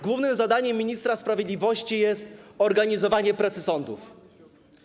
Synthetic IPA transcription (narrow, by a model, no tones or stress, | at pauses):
ɡwuvnɘmzad̪aɲɛmʲːiɲist̪ɾaspɾavʲjed̪lʲivɔɕt͡ɕijɛst̪ɔɾɡaɲizɔvaɲɛpɾat̪sɘsɔnd̪uf